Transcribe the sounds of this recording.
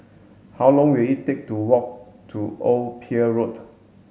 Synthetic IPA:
hawlɔ̃ŋwilitek̚tuwɔk̚tʰuʔolpʰiəɹot

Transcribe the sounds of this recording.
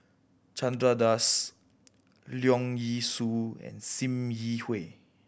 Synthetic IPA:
t͡ʃãndɹadas | ljɔ̃ŋjisuɛ̰̃nsĩmjihwe

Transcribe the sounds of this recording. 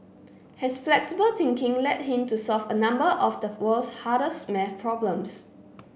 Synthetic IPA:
hɛsflɛksibəltɪ̃ŋkɪ̃ŋlɛt̚hĩmtusɔlfənãmbəʔɔfdəwəlshaɾəsmɛfpʰɹɔblə̃ms

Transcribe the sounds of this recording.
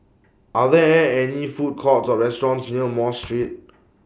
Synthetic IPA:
ʔaðɛɛ̃ɛnifut̚kʰɔtsɔɹɛstɔɹɔ̃nsniəmɔstɹit̚

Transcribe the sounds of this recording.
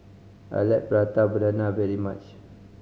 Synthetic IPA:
a̰jlɛt̚bəɹat̪abədanavɛɹimat͡ʃ

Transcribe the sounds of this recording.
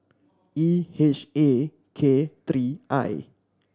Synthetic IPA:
iheʃe | kʰet̪ɾiʔa̰j

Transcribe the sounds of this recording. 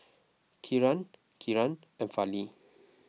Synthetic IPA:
kʰiɹan | kʰiɹãn | ɛ̃nfali

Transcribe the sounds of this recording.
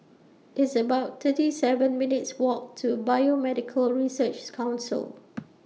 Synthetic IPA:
ʔɪtsəbaʊtt̪ʰətisɛvə̃nmɪnɪtswɔk̚tʰubajomɛdɪkʰəlɹisət͡ʃkʰãʊ̃nsə̰l

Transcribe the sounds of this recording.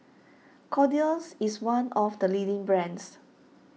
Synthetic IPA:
kʰɔdiəlsiswãnɔfdəlidɪ̃ŋbɹɛ̃ns

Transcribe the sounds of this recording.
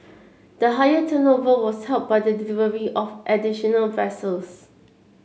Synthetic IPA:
d̥əɦajətʰənovəwɔshɛlp̚bajdədɪlivəɹiʔɔfʔɛdiʃɔnəlvɛsəls

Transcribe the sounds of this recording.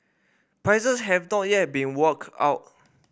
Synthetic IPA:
pɹajsəshɛvnɔt̚jɛt̚bĩnwəka̰ʊt̚

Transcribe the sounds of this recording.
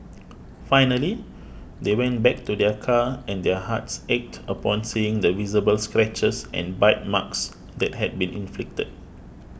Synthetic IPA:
fajnəli | dewɛ̃nbɛk̚tudɛkʰaɛ̃ndɛhatsɛk̚təpɔ̃nsiĩŋdəvizəbəlskɹɛt͡ʃəsʔɛ̰̃nbaɪt̚maks | dɛt̚ɦɛd̚bĩnĩnflɪk̚təd̚

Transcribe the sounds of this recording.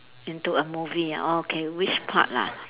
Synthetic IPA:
ĩntuəmuvia̰ʔookʰewit͡ʃpʰa̰t̚la̰

